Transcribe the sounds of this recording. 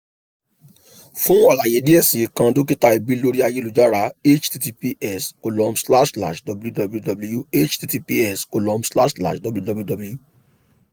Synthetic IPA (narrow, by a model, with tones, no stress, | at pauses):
fũ˦ɔ˦˨la˨je˨di˦ɛ˦˨sĩ˨˦˨kã˧do˦k̬i˦ta˦i˨bi˨˦lo˦ɾi˦a˧je˦lu˨d͡ʒa˦ɾa˧˦e˦t͡ʃti˧ti˧pi˦ʔɛ˦˨so˨lɔ̃˧msla˦ʃla̰˨ʃdɔ˨bju˦dɔ˧blu˦dɔ˧blju˦e˦t͡ʃti˧ti˧pi˦ɛ˦˨so˧lɔ̃˨˧msla˦ʃla̰˦˨ʃdɔ˨blu˦dɔ˧bu˦dɔ˧blju˦